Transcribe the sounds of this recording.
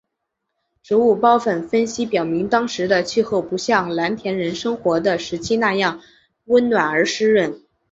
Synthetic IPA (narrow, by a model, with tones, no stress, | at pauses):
ʈ͡ʂɻ̩˧˥u˥˩pɑ˥ʊfə˥˩nfə˥nɕi˥pjɑ˨˩ʊmi˧˥ŋt̪ɑ˥ŋʂɻ̩˧˥d̪ə˧t͡ɕʰy˥˧xo˥˩ʊpu˧˥ɕjɑ˥˩ŋla˧˥nt̪ʰjɛ˧˥nɻə˧˥nʂɤ˥ŋxwɔ˧˥d̪ə˧ʂɻ̩˧˥t͡ɕʰi˥na˥˧jɑ˥˩ŋ | wə˥nnwa˨˩nə˞˧˥ʂɻ̩˥ɻə˥˩n